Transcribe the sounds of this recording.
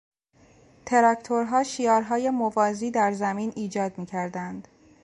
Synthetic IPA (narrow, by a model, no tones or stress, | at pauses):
t̪ʰe̞ɾækt̪ʰoɾɦɒːʃiːɒːɾɦɒːje̞movɒːziːd̪æɾzæmiːniːd͡ʒɒːd̪miːcʰæɾd̪ænd̪̥